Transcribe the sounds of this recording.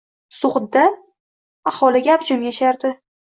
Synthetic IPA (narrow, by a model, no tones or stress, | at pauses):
sʊχd̪d̪a | ahɒlɪɡʲaabd͡ʒʊmjaʃaɾd̪ɪ